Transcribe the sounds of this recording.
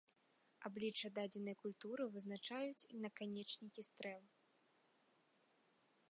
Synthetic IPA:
ablʲit͡ʂɐd̪ad͡zʲɛnɐjkulʲt̪uɾɨvɨznat͡ʂajut͡sʲinɐkanʲɛt͡ʂnʲikʲist̪ɾɛlˠ

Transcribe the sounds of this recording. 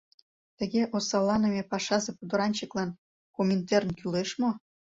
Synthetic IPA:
t̪ə̆ɣeʔosɑlːɑnĕmʲepɑʃɑzepud̪ŏɾɑnʲt͡ɕə̆klɑn | komʲent̪ernkyleʃmo

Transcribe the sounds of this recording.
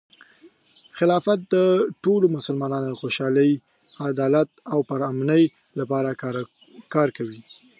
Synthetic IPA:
xɪlɑfat̪̚d̪əʈolomʊsəlmɑnɑnod̪əxoʃɑləj | ad̪ɑlat̪̚awpəɾamnəj | lapɑɾa | kɑɾkawi

